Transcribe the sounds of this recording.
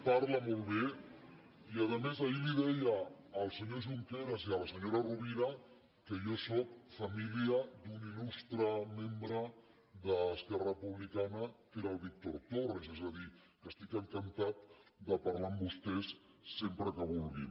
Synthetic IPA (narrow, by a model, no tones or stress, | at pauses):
paɾləmolˠβe | iəðəmezailiðɛjəː | lˠsəɲoʒuŋkeɾəziələsəɲoɾaruβiɾa | kəjosokfamiliəd̪unilust̪ɾəmembɾə | ðəskɛrəpuβlikanəkeɾalˠβik̚t̪oɾt̪orezezəði | kəst̪ikəŋkənt̪at̪̚d̪əpaɾlambust̪ɛsː | empɾəkəβulɣḭ